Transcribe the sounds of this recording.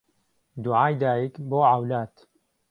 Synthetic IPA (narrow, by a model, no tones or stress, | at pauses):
d̪uʕaːjd̪aːjikboːʕawlaːt̪